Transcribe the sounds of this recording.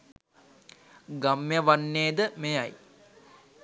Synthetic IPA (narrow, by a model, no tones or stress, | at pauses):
ɡamjəʋanːeːd̪əmejaj